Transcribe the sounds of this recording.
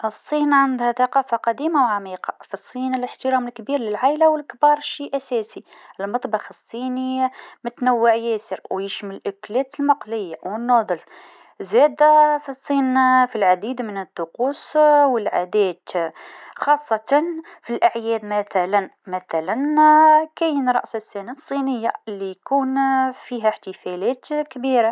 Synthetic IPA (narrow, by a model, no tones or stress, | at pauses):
ʔəsˤːiːnʕand̪hæθɑqɑːfaqɑd̪iːmawʕamiːqɑfisˤːiːnələħt̪əɾɑːməlkbiːɾlɪlʕaʔlawəlkbɑːɾˤʃiʔæsæːsi | əlmɑt̪ˤbɑxəsˤːiːnimʊt̪næwːəʕjæsəɾwjəʃməlʔʊklɛt̪əlmɑqlɪjːawənːɑd̪ˤəls | zæd̪afisˤːinfilʕad̪id̪mənət̪ˤːʊquswəlʕad̪æt̪ | xɑsˤːɑt̪ɑnfilʔaʕjɛd̪mæt̪ælænmæθælænkæjənɾˤɑ̰ʔsəsːænasˤːinəjːalːijkunfiɦæħt̪əfælæt̪kbiɾa